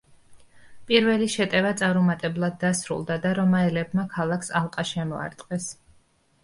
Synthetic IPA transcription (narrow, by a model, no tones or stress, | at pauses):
pʼiɾvɛliʃɛt̪ʼɛvat̪sʼaɾumat̪ʼɛblˠad̪ːasɾṵlˠd̪ad̪aɾɔmaɛlɛbmakʰalˠaksalˠqʼaʃɛmɔa̰ɾt̪ʼqʼɛs